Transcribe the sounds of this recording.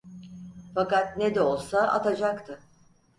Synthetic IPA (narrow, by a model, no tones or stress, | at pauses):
fakat̪ned̪ɛo̞lˠsaʔa̰t̪ʰad͡ʒakt̪ʰɯ